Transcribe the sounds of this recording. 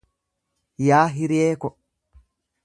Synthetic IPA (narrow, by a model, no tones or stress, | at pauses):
jaːɦiɾiɛːkɔ